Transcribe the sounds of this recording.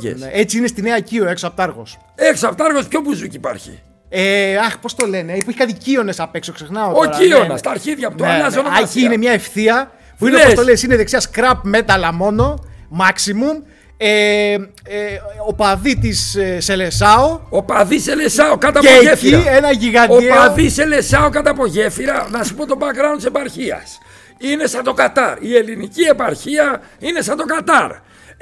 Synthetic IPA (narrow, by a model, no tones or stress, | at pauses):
ḛneet͡siinest̪ineɐecio̞eksoɐp̚t̪ɐɾɣo̞s | eksoɐpt̪ɐɾɣospçobuzucipa̰ɾçḭ | eɐxpo̞st̪o̞le̞neipɐɾçikɐθicio̞ne̞sɐpe̞kso̞kse̞xnɐotooɐionɐst̪ɐːɾçiðʝɐpot̪oeɐzonociine̞mɲɐefθiɐ | puinepost̪o̞lesineðeksiɐskɾɐpme̞t̪ɐlɐmo̞no̞mɐksimum | e | opɐðit̪isːe̞le̞sɐoopɐðiselesɐokɐt̪ɐeefiiɾenɐʝiɣɐdoieɐðisele̞sɐokɐt̪ɐpo̞ʝe̞fiɾɐnɐsu̥po̞t̪obɐkɾɐont̪ise̞pɐɾçiɐ̰s | ine̞sɐnt̪o̞kat̪ɐɾie̞linicie̞pɐɾçiɐ | ine̞sɐd̪o̞kɐt̪ɐɾ